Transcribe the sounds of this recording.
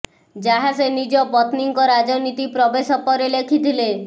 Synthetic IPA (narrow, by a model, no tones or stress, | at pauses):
d͡ʒaɦasenid͡ʒɔbɔt̪niŋkɔɾad͡ʒɔnit̪ipɾɔbesɔpɔɾelekʰit̪ʰile